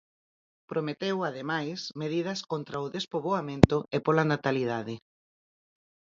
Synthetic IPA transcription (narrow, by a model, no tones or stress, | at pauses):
pɾʔomet̪ewaðemajsmeðiðɐskont̪ɾɐʊðespoβoamẽnt̪ʊʔepolanat̪alið̞aðɪ